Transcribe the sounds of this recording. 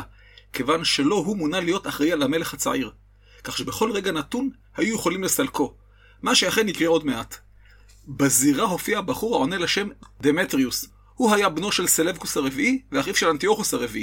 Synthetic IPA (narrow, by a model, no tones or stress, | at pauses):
ke̞vanʃe̞lo̞ɦumunalijo̞taχʁejalame̞leχhat͡sa̰ʕiʁ | kaχʃebe̞χo̞lʁe̞ɡanat̪un | hajujeχolimle̞salko̞ | maʃeaχe̞nikʁeo̞dmeʔat̪ | baziʁaɦo̞fiabaχuʁhaʕoneleʃe̞md̪e̞metʁius | huhajabno̞ʃelselevkushaʁe̞viʔiveaχifʃe̞lant̪io̞χusaʁe̞vii